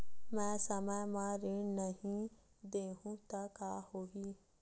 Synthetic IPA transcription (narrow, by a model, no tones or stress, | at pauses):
mɛ̃ːsəməjmãɾinəɦĩ | d̪eːɦũt̪akaːhoːɡiː